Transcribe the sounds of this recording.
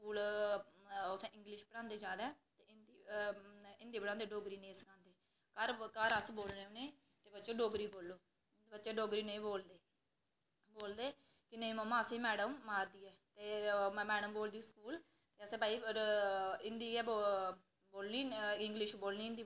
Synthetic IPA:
skuːl | ʊsʰɛ̃ːʔɪ̃ŋɡlɪʃpəɽãːnd̪eːd͡ʒaːd̪ɛːt̪eːɪnd̪iː | ɪnd̪iːbəɽãːnd̪eːɖoːɡɾiːnẽːsəkʰãːnd̪eː | kəɾkəɾəsboːlnẽːnẽː | t̪eːbətːt͡ʃeːɖoːɡɾiːboːlːoː | bətːʃeːɖoːɡɾiːneĩboːld̪eː | boːld̪eː | kɪneĩːməmãːsĩːmɛːɖəmːaːɾd̪iːɛːt̪eːmɛːɖəmboːld̪iːskuːl | t̪eːəsẽːpaːiːəɾɪnd̪iːɛːbo | boːlniːɪŋɡlɪʃboːlniːnd̪iː

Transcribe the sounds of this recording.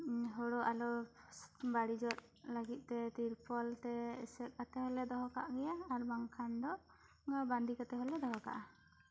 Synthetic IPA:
ɦɔɽɔʔalɔ | baɽid͡ʒɔt̪̚ləɡit̪̚ˀt̪ɛt̪iɾpʰɔlt̪ɛɛsɛt̚ˀkat̪ɛhɔlɛd̪ɔɦɔka̰ʔɡɛjaːɾbaŋkʰand̪ɔʔ | band̪ikat̪ɛɦɔlɛd̪ɔɦɔka̰ʔa

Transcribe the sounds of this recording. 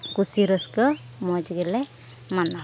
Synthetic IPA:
kusiɾəskə | mɔd͡ʒɡɛlɛ | mana

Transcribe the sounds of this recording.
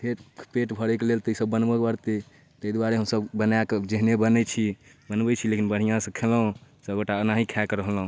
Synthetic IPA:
pʰeɾpeʈbʱəɽɛkelelt̪isəbːənbəkbəɾt̪i | t̪əd̪waɾeɦəmsəbbənaked͡ʒeɦnebənɛt͡ʃʰi | bənbɛt͡ʃʰilekinbəɽ̤ijãsə̃kʰelɦũsəɡəʈaənaɦikʰakɾəɦəlɦũ

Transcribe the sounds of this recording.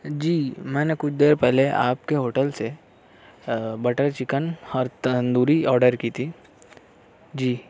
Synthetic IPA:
d͡ʒiːmɛ̃ːnekʊt͡ʃʰd̪eːɾpɛɦleʔa̰ːp̚keɦoːʈəlse | bɐʈəɾt͡ʃɪkənɔːɾt̪ənd̪uːɾiɔːɾɖəɾkiːt̪ʰiː | d͡ʒiː

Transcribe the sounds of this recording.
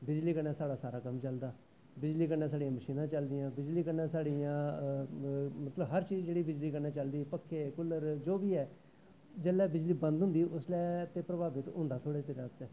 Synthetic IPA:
bɪd͡ʒliːkəɾnaːsaːɽaːsaːɾaːkəmt͡ʃəld̪aː | bɪd͡ʒliːkəɾnãːsaːɽijãːməʃiːnãːt͡ʃəld̪ɪjãːbɪd͡ʒliːkəɾnãːsaːɽiːjãː | mət̪ləbɦəɾt͡ʃiːzd͡ʒeːɽiːbɪd͡ʒliːkəɾnãːt͡ʃəld̪iːpəkʰːeːkʊləɾd͡ʒoːbiːɛː | d͡ʒəlɛːbɪd͡ʒliːbə̃nd̪ɦʊ̃nd̪iːʔʊslɛːt̪eːpɾəbaːbɪt̪ɦʊ̃nd̪aːt̪ʰoːɽeːt̪eɾãːt̪ɛː

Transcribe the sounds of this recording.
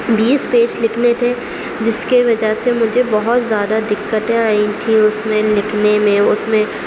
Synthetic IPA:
biːspeːʃlɪkʰnet̪ʰe | d͡ʒɪskiʋɐd͡ʒəɦsemʊd͡ʒʱebɐɦʊt̪zjaːd̪ad̪ɪkːət̪ẽaːɪ̃t̪ʰĩʊsmẽlɪkʰnemẽʊsmẽ

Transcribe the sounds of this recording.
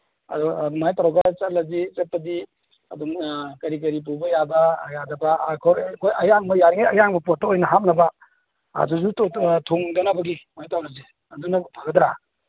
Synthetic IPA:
ɐdɔmajtaɾawɡɐt͡ʃɐt̚lɐzit͡ʃet̚pɐdi | ɐduŋkɐɾik̬ɐɾip̬ubɐjabɐjadɐbaːkʰɔɾkʰojɐjaŋmɐjaɾiŋajɐjaŋmɐpɔt̚ːaojnɐɦat̚nɐba | a̰duzutʰoŋdɐnabɐɡimajtawnazi | ɐdunɐpʰaɡɐd̪ɾa

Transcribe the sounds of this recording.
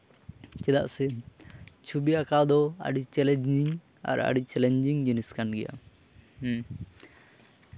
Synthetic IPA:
t͡ʃɛd̪a̰ʔsɛ | t͡ʃʰubiakawd̪ɔa̰ɖit͡ʃɛlɛɲd͡ʒiŋ | a̰ɾa̰ɖit͡ʃɛlɛɲd͡ʒiŋd͡ʒiniskanɡɛja̰

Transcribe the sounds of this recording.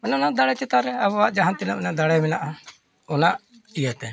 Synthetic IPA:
mɛnɔnaʔd̪aɽɛt͡ʃɛt̪aɾɛabɔaʔd͡ʒaɦant̪inamɛnaʔd̪aɽɛjmɛnaʔa | ɔnaʔ | ijat̪ɛ

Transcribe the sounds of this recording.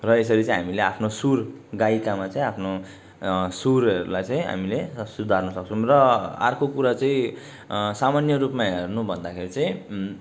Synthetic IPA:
rʌes̬ʌɾit͡saĩɦamileapʰnosurɡajikamat͡saĩapʰno | suɾʌɾṵlajt͡sʌĩɦa̰milesud̪ʱarnʌsʌk̚t͡sʰrʌa̰rkokuɾat͡sʌĩ | samanjʌrupmaɦernubʱʌnd̪akʰeɾit͡sʌĩ

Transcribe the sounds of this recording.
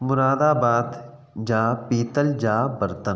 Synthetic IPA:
mʊɾaːd̪aːbaːt̪ | d͡ʒaːpiːt̪əld͡ʒaːbəɾt̪ən

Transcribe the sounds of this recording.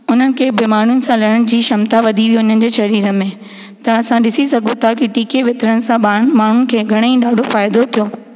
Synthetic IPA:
ʊn̤ənɪ̆kʰeːbɪmaːn̤ʊnɪ̆sãlɐəɽ̃d͡ʑiːʃɐmt̪aʋɐd̪ʱiʋioʊn̤ənɪ̆d͡ʑeːʃɐɾiːɾə̆mẽ | t̪ɐɐsãɗɪsisɐɡʱõt̪ʰakiɪʈiːkeʋɪt̪ɾənɪ̆sãɓãːmaːɳ̤ʊnɪ̆kʰeːɡʱɐɽ̃eĩɗaːɖʱofaːɪd̪ot̪ʰijoː

